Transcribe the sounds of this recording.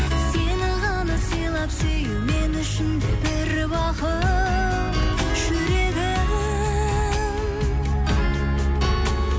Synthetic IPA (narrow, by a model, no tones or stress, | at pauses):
senɪɴʁɑnəpsijlˠɑpsejumenʏʃɪnd̪ɪbɪɾ | bɑqə | ʒ̥ʏɾeɡʲɪm | m